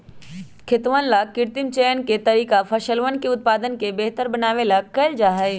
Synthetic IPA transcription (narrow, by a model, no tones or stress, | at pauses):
kʰɪt̪ʋənlakɪɾt̪ɪmt͡ɕeːjənket̪ɐɾiːkafʰɐʃəlʋənkeʊt̪̚paːd̪ənkebeɦt̪əɾbɐnaːʋelakɐld͡ʒaːɦeː